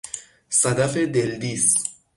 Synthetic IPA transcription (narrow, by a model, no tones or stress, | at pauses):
sad̪afed̪eld̪is